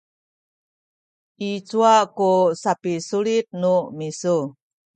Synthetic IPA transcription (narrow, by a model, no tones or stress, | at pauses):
ʔit͡suakusapisuɾit̪̚numisu